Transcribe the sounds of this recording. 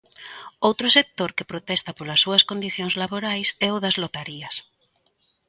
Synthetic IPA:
owt̪ɾʊsek̚t̪oɾkepɾot̪ɛst̪ɐpolɐsːuɐskond̪iθjoŋzlaβoɾajsɛʊðɐzlot̪aɾiɐs

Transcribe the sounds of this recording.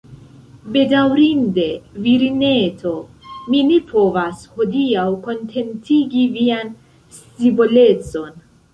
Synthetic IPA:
be̞dawɾinde̞viɾine̞tʰo̞ | minepʰo̞vasho̞diawko̞ntʰe̞ntʰiɡivian | stibole̞t͡so̞n

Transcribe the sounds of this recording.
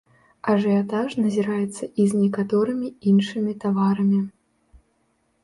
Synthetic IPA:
ɐʐɨjat̪aʂnɐzʲiɾajɛt̪sːɐʔiznʲɛkat̪ɔɾɨmʲiinʂɨmʲit̪avaɾɐmʲi

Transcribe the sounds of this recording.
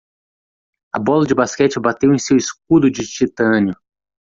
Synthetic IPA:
ɐ̰bɔlɐd͡ʒɪbaskɛt͡ʃɪbat̪ewẽj̃sewisk̚ud̪ʊd͡ʒɪt͡ʃit̪ɐ̃njʊ

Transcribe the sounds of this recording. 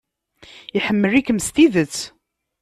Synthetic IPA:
iħəmːəɾikəmst̪iðət͡sː

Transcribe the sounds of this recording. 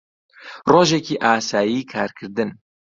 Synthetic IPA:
roːʒɛkiːʔaːsaːjiːkʰaːɾkʰɨɾd̪ɨn

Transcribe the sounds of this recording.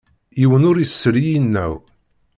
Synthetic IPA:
jiwənʊɾjəsːəɾijinːæ̰w

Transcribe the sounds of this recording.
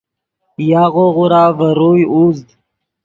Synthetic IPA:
jaːɣoɣuɾaːvəɾoːjuzd̪

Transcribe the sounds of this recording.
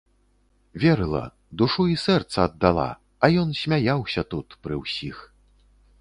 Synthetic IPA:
vʲɛɾɨlˠɐ̰ | d̪uʂuisɛrt̪sɐːd̪ːalˠa̰ | ɐjɔnsʲmʲajawsʲɐt̪ut̪pɾɨwsʲix

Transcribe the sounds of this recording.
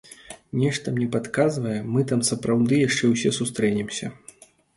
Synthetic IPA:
nʲɛʂt̪ɐmnʲɛpat̪kazvɐjɛmɨt̪amsɐpɾawd̪ɨjaʂt͡ʂɛwsʲɛsust̪ɾɛnʲɛmsʲɐ̰

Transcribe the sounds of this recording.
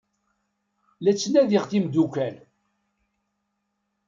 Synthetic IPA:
læt͡sːnæðiʁθimd̪ukæl

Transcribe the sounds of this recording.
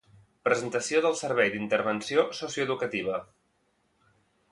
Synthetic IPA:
pɾəzənt̪əsioðəlˠsəɾβɛjd̪int̪əɾβənsiososiuəðukət̪iβ̞ə

